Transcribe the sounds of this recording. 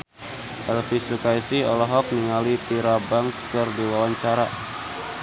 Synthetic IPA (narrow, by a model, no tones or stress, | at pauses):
ʔɛlfisukaisiɔlɔɦɔk̚niŋalit̪iɾabaŋskɨrdiwawaɲt͡ʃaɾa